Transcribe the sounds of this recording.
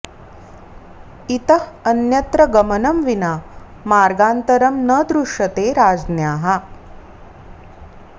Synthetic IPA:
it̪əɦənjɐt̪ɾəɡəmənəmʋina | maːɾɡaːnt̪əɾəmnəd̪ɾuʂɐt̪eɾaːd͡znjaːɦa

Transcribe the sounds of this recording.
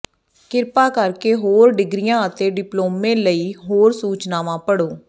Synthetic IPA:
kɪɾpaːkəɾkeːɦoːɾɖɪɡɾɪjãːət̪eːɖɪploːmẽːləiːɦoːɾsuːt͡ʃnaːʋãːpəɽoː

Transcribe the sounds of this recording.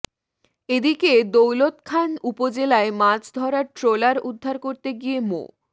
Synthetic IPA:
ed̪iked̪owlot̪kʰanupod͡ʑelaemad͡ʑd̪ʱɔɾaɾʈɾolaɾud̪ʱːaɾkoɾt̪eɡiemo̰

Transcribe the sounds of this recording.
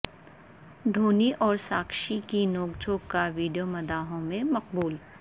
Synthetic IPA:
d̪ʱoːniʔɔːɾsaːkʃikinoːɡd͡ʒʱoːɡkaʋiːɖijomɐd̪aːɦõmẽmɐq̚buːl

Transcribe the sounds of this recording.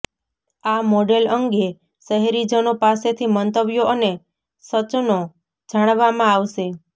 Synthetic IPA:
amɔɖeləŋɡe | ʃəɦɛɾid͡ʒənopaset̪ʰimənt̪əbjoʔəne | sət͡ʃno | d͡ʒaɽ̃ʋamãaʋʃe

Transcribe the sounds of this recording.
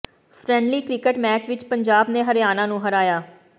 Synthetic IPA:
pʰɾɛ̃ːɳɖliːkɾɪkəʈmɛːt͡ʃʋɪt͡ʃpəɲd͡ʒaːbneːɦəɾɪjaːnãːnũːɦəɾaːjaː

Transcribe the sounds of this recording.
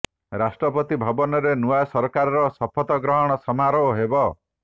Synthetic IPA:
ɾasʈɾɔpɔt̪ibʱɔbɔnɔɾenuasɔɾɔkaɾɔɾɔsɔpʰɔt̪ɔɡɾɔɦɔɽ̃ɔsɔmaɾɔoɦebɔ

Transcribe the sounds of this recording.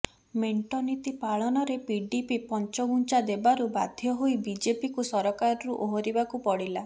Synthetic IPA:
meɳʈɔnit̪ipaɭɔnɔɾepiɖipipɔnt͡ʃɔɡunt͡ʃad̪ebaɾuba̰d̪ʱjɔɦoibid͡ʒepikusɔɾɔkaɾɔɾuʔoɦɔɾibakupɔɽila

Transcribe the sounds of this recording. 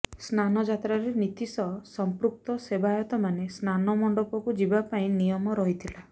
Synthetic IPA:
snanɔd͡ʒat̪ɾaɾenit̪isɔsɔmpɾuk̚t̪ɔsebajɔt̪ɔmanesnanɔmɔɳɖɔpɔkud͡ʒibapaĩnijɔmɔɾɔɦit̪ʰila

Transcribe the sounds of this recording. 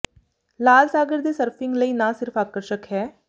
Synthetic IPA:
laːlsaːɡəɾd̪eːsəɾpʰɪ̃ŋɡləiːnãːsɪɾpʰaːkəɾʃəkɦɛː

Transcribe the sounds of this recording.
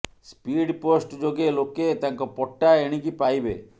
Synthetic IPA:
spiɽposʈd͡ʒoɡeloket̪aŋkɔpɔʈːaeɽ̃ikipajbḛ

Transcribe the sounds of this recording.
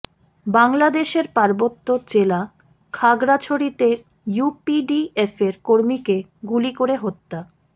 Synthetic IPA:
baŋlad̪eʃeɾpaɾbot̪ːot͡ɕela | kʰaɡɾat͡ɕʰoɾit̪e | jupiɖiefeɾkoɾmike | ɡulikoɾeɦot̪ːa

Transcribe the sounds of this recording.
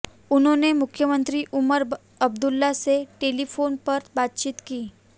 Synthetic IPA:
un̤ɦõnemʊkʰːjəmənt̪ɾiːʔuməɾ | əb̚d̪ulːaseʈelifonpəɾbat̪̚t͡ɕiːt̪kiː

